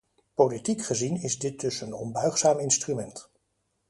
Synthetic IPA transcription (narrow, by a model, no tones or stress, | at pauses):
powlitikχəzinɪzdɪt̚dɵsənɔmbœɥχsaːmɪnstrymɛnt